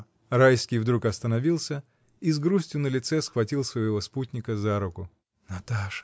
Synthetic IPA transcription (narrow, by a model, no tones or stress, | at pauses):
rajskʲijvd̪ɾukɐst̪ənɐvʲilˠsʲə | izɡɾusʲtʲjʊnəlʲɪt̪sɛsxvɐtʲilˠsvəjɪvo̞sputʲnʲɪkəzaɾʊkʊ | nɐt̪aʂə̥